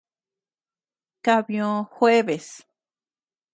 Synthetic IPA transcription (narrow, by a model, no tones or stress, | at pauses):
kaβjoxweβes